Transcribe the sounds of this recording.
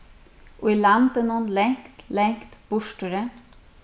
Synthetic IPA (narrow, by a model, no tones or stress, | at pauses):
ʔoːiːlɑnd̪ənoːnlɛŋkt̪lɛŋkt̪b̥ʊʃʈøɾə